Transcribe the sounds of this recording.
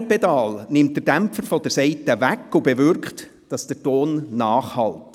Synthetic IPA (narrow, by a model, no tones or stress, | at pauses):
pɛdɑːlnɪmt̚d̥ədæmpfəɾfɔd̥̪əɾsɛɪtəvækːubevʏɾkχt | d̥ɑsd̥ətoːnːɑːχhɑlt